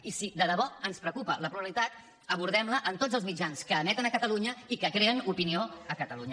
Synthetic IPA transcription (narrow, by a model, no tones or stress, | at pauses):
isid̪əðəβɔənspɾəkupələpɾuβlit̪at̪ | əβuɾð̞ɛmləʔənt̪od͡zəlˠzmid͡ʒanskəːmɛt̪ənəkət̪əluɲəikəkɾeənupinioəkət̪əluɲə